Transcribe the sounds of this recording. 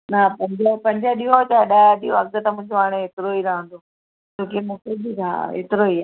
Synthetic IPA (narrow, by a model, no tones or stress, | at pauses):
napɐ̃ɲd͡ʑəpɐ̃ɲd͡ʑəɗiɦot͡ɕaːɗaːɗioɐ̰k̚d̪ət̪ɐmʊ̃ːɪ̃ɲd͡ʑoaːɽ̃eɦeːt̪ɪɾoiɾɐɦə̃nd̪o | d͡ʑoːkemʊ̃ːkʰebiɾʰaa̰ɦḛːt̪ɪɾoiaː